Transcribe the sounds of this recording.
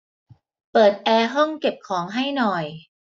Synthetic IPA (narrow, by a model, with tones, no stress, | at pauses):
pɤː˨˩t̪̚ʔɛː˧ɦɔ˥˩ŋke˨˩p̚kʰɔː˩˦ŋɦa˥˩jnɔ˨˩j